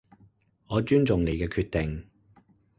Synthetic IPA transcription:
ŋɔː˨˧t͡ʃyː˥nt͡sʊ˨ŋnle˨˧jkɛː˧kʰyː˧t̪̚ɪ˨ŋ

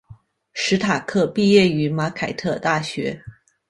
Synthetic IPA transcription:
ʂɻ̩˧˥t̪ʰa˨˩kʰɤ˥˧pi˥˧jɛ˥˩y˧˥ma˧˥kʰa˨˩ɪt̪ʰɤ˥˧t̪a˥˩ɕɥɛ˧˥

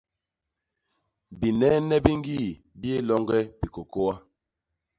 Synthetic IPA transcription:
bi˨nɛ˦nɛ˦bi˦ŋ˦ɡi˦˨ | bi˦e˦lɔ˦ŋɡɛ˦pi˨ko˨ko˦wa˦

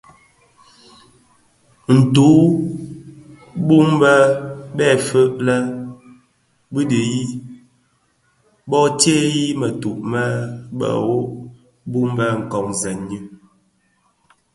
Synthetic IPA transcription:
n̩˨tu˨˦ | bu˦m˦bə˦bɛ˦˨fə˦ʔlɛ˦ | bɨ˦di˨ji˦ | bɔ˦tje˦ji˦mə˨tu˨ʔmɛ˦bə̰˨wo˦ʔ | bu˦m˦bɛ˦ŋ̩˨kɔ˨ŋzɛ˨nɲi˦

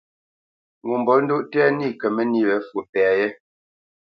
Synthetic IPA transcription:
ŋu˨mbɔ˨˦ln̩˦du˦ʔtɛ˦ni˦˨kə˨mɛ˦ni˦˨wɛ˨˦fu˨pɛ˨a˨jɛ˦

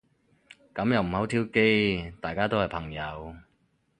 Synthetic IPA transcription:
kɐ˨˥mjɐ˨wm̩˨˩hɐ˨˥wt̪ʰiː˥wke˥jt̪aː˨jkaː˥t̪o˥whɐ˨jpʰɐ˨˩ŋjɐ˨˧w

